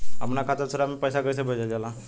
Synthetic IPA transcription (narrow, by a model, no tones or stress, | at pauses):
ɦəmnakʰaːt̪əɾsəɾamẽpəjsakəɾsebʱəd͡ʒad͡ʒala